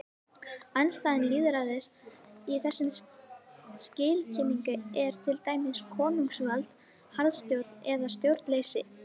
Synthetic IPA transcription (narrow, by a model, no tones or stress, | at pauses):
anst̪aːðɪnliːðʏɾaðɪstiθɛsːʏm | scɪːlcʰɪːmiŋkʏɛɾ̥t̪ʰɪlt̪aːjmɪskʰɔːnuŋksvalt̪ | haɾðst̪jowɾt̪̚nɛðast̪jowɾt̪leːjsɪ